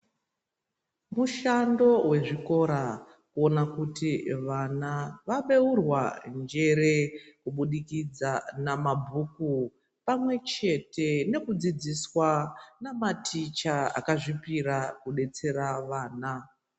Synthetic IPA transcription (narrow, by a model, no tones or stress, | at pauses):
muʃando̞we̞ʐiko̞ɾa | kuo̞nakutiʋanaʋaɓe̞urwa̰nd͡ʒe̞ɾe̞kuɓuɗikid͡zanamabʱuku | pamwe̞t͡ʃe̞te̞ne̞kud͡zid͡ziswanamatʰit͡ʃaa̰kaʐipiɾakuɗe̞t͡se̞ɾaʋaːna